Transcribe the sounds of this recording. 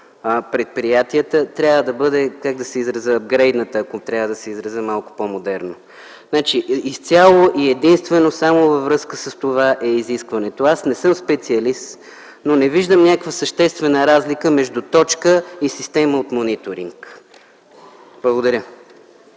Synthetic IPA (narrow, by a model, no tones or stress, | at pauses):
əpɾɛt̪̚pɾijat̪iət̪ət̪ɾʲavəd̪ɐbɤd̪ɛkaɡ̚d̪ɐsɛizɾɐzəːbɡɾɛjd̪nət̪əːkot̪ɾʲjavəd̪ɐsɛizɾɐzəmalˠkʊ̥pomod̪ɛɾno | znat͡ʃiist̪sʲalˠoʔiɛd̪inst̪vɛnosamovɐvɾɤskəsəst̪ovaʔɛiziskvɐnɛt̪oasnɛsɤmspɛt̪siɐlist̪ | nonɛviʒd̪əmnʲakkvəsəʃt̪ɛst̪vɛnəɾazlikəmɛʒd̪ut̪ɔt͡ʃkəisist̪ɛməot̪monit̪oɾiŋk | b̥lˠəɡod̪ɐɾʲə